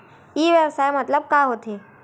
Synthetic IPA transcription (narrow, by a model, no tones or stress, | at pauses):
iːʋəʋsaːjmət̪ləb̚kaɦot̪ʰe